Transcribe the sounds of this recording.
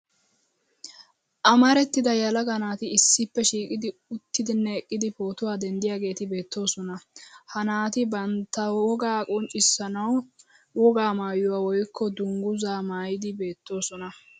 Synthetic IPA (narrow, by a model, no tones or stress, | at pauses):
ʔɐmɐɾɛt̪ːɪd̪ɐjɐlɐɡɐnaːt̪ɪɪsːɪpːɛʃiːkʼɪd̪ɪʊt̪ːɪd̪ɪnːɛːkʼːɪd̪ɪpo̞ːt̪ʊwaːd̪ɛnd̪ɪjaːɡe̞ːt̪ɪbe̞ːt̪ːo̞ːsɔnɐhɐnaːt̪ɪbɐnt̪ːɐɔɡaːkʼɔnt͡ʃʼɪsːɐnɐw | wɔɡaːmaːjʊwaːwɔjkːɔd̪ʊŋɡʊzaːmaːjɪd̪ɪbe̞ːt̪ːo̞ːsɔnɐ